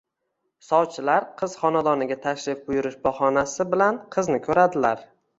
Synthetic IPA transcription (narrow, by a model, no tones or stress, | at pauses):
sɒwt͡ʃʰɪlaɾqʰɨz̥χɒnad̪ɒnɪɡʲat̪ʰaʃɾɪfbʊjʊɾɪʃbɒhɒnasɪbɪlanqʰɨznɪkʰɵɾad̪ɪlaɾ